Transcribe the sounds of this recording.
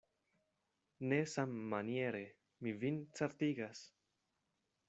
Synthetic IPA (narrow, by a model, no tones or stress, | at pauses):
ne̞samːanie̞ɾe̞ | mivint͡saɾtiɡas